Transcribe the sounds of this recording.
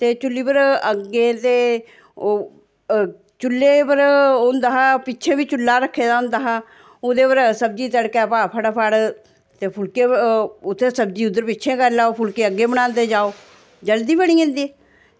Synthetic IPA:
t̪eːt͡ʃʊlːiːpəɾəɡːeːt̪eː | t͡ʃʊlːeːpəɾʊnd̪aːɦaːpɪtːt͡ʃʰeːbiːt͡ʃʊlːaːɾəkʰːeːd̪aːʊnd̪aːɦaː | ʊd̪eːpəɾsəb̚d͡ʒiːt̪əɽkɛːpaːpʰəɽaːpʰəɽ | t̪eːpʰʊlkeːʊt̪ʰːeːsəbd͡ʒiːʊd̪ːəɾpɪtːt͡ʃʰẽːkəɾlaːoːpʰʊlkeːəɡːeːbəɽ̃ãːnt̪eːd͡ʒaːoː | d͡ʒəld̪iːbəɽ̃iːẽnd̪iː

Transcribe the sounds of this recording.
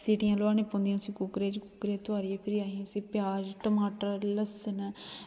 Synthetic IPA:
siːʈɪjãːloaːnẽːpõːnd̪ijãsĩːkʊkɾeːd͡ʒkʊkɾeːt̪ʊaːɾiepʰɪɾiaːɦĩʊsĩːpjaːd͡ʒʈəmaːʈəɾləsən

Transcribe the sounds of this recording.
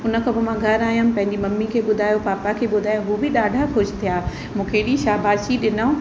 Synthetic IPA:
ʊnə̆kʰɐbɪmãɡʱɐɾaːjʊ̃pɐ̃ɦɪɲd͡ʑimɐmːikʰeːɓʊd̪ʱaːjopaːpakʰeːɓʊd̪ʱaːjõɦuːbɪɗaːɖʱakʰʊd͡ʑt̪ʰijaː | mũːkʰeɗĩʃaːbʱaːʃiɗɪnã

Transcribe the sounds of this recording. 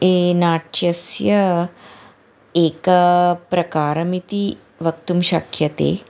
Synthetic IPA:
enaʈt͡ʃɐsjɐ | eːkɐpɾɐkaːɾɐmit̪i | ʋɐkt̪umɕakʰjɐt̪ḛ

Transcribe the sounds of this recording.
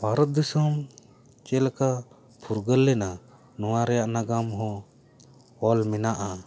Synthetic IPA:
bʱaɾət̪̚d̪isɔm | t͡ʃɛlka | pʰuɾɡəlːɛna | nɔwaɾɛjaʔnaɡamɦɔ̃ | ɔlmɛnaʔa

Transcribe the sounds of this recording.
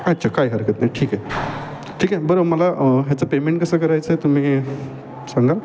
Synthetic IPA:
ətːt͡ɕʰakajɦəɾkət̪najʈʰiːkae | ʈʰiːkabəɾoməlaɦjat͡səpemeɳʈkəsəkəɾajt͡sət̪um̤iː | saŋɡa

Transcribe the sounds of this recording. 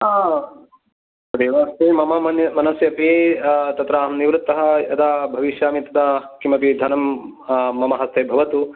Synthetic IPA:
d̪eːʋaːst̪eːmɐmɐmɐnjɐmɐnɐsjɐpit̪ɐt̪ɾaːɐmniʋɾɨt̪ːɐɦɐ̆jɐ̰d̪abʱɐʋiʃjaːmit̪ɐd̪akːimɐpid̪ʱɐnɐmː | ɐmɐɦɐst̪ʰeːbʱɐʋɐt̪u

